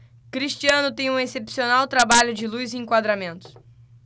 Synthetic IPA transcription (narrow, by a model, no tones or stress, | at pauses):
kɾiʃt͡ʃiɐ̃nʊt̪ẽj̃ũesepsionawt̪ɾabaʎʊd͡ʒɪlujziẽŋkwad̪ɾamẽnt̪ʊ̥